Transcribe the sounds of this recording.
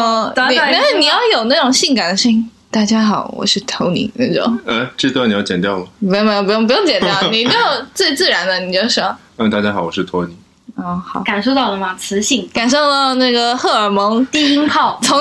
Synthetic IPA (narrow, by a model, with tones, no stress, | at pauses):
ɔ˥˩˧n˩˧a˥ni˨˩jɑ˥˩ʊjo˨˩ʊna˥˩ʈ͡ʂʊ˨˩ŋɕi˥˩ŋka˨˩nd̪ə˩˦ʂ̩˥˩˥ | t̪a˥˩t͡ɕja˥xɑ˨˩˦ʊwɔ̰˨˩ʂɻ̩˥˩t̪ʰo˧˥ʊnḭ˧˥na˥˧˩ʈ͡ʂʊ̰˨˩˦ŋə˧ʈ͡ʂ̩˥˧t̪ni˨˩jɑ˥˩ʊt͡ɕjɛ˨˩nt̪jɑ˥˩ʊmɐ˩pjo˥˧ŋm˧˥˧pjʊ˥˩ŋpu˧˥jo˧˥ŋt͡ɕɛ˨˩njɑ˩ʊ˩˨ni˨˩t͡ɕʊjɑ˥˧ʊt͡swe˥˧ɪt͡sɹ̩˥˩ɻa˧˥nd̪ə˧ni˨˩t͡ɕo˥˧˩ʊ˩ʂ̩˥˩˥ə˧t̪a˥˩t͡ɕja˥xɑ˨˩ʊwɔ˨˩ʂɻ̩˥˩t̪ʰo˧˥ʊni˨˥˦ | ɔ˥˩xɑ˨˩˦ka˨˩nʂo˥˧ʊt̪ɑ˥˩ʊd̪ə˩ma˨˩t͡sʰɹ̩˧˥ɕi˥˩ŋka˨˩nʂo˥˧ʊt̪ɑ˥˧ʊəna˥˩ɡə˩xɤ˥˩ə˞˨˩mɤ˧˥ŋt̪i˥˧i˥ŋxɑ˥˩ʊt̪ʰo˧˥